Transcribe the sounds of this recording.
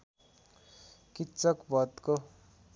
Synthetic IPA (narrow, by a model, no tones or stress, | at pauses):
kit̪t͡sʌkbʱʌt̪ko